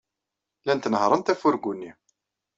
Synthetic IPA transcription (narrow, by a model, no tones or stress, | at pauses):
lænt̪nhɾˤənt̪æfʊɾɡunːi